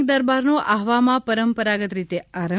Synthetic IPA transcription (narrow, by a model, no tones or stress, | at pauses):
kd̪əɾbaɾnoʔaɦʋamãpəɾəmpəɾaɡət̪ɾit̪eaɾə